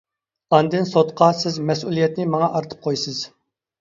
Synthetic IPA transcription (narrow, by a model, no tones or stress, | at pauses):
ɑnd̪ɨnsot̪qʰɑsɪzmɛs̬ulˠijɛt̪nɪmɑŋɑʔɑɾt̪ʰə̥p̚qʰojsɨz̥